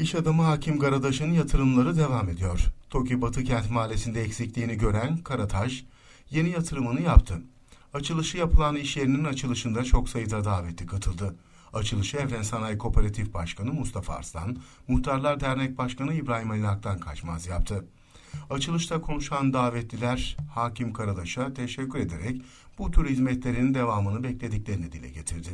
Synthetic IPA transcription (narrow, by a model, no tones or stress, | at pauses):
iʃad̪amaɦaːcʰimɡaɾad̪aʃɯnɯnjat̪ʰɯɾɯmlˠaɾɯd̪e̞vame̞d̪ijo̞ɾ̥t̪ʰo̞cʰibat̪ʰɯcʰɛnt̪maːlʲesind̪ɛːcsiclʲiːniɟø̞ɾænkʰaɾat̪ʰaʒ | je̞nijat̪ʰɯɾɯmɯnɯjap̚t̪ʰɯ | at͡ʃʰɯlˠɯʃɯjapʰɯlˠaniʃlʲe̞ɾininat͡ʃʰɯlˠɯʃɯnd̪at͡ʃʰo̞ksajɯd̪ad̪aːvɛt̪lːʲikʰat̪ʰɯlˠd̪ɯ | at͡ʃʰɯlˠɯʃɯɛvɾænsanajkʰo̞pʰeɾat̪ʰifbaʃkʰanɯmust̪ʰafa̰a̰ɾst̪ʰa̰nmuxt̪ʰaɾlˠaɾd̪æɾnɛc̚baʃkanɯibɾaːɦimalʲinak̚t̪ʰankʰat͡ʃmazjapt̪ʰɯ | at͡ʃʰɯlˠɯʃt̪ʰakʰo̞nuʃand̪aːvɛt̪lʲilʲæɾ̥haːcʰimkʰaɾad̪ˠaʃat̪ʰe̞ʃɛcʰːyɾe̞d̪e̞ɾɛc | b̥ut̪ʰyɾhizmɛt̪lʲe̞ɾinind̪e̞vaːmɯnɯbɛclʲe̞d̪iclʲe̞ɾinid̪ilʲɛ̰ɟe̞t̪ʰiɾd̪ɪ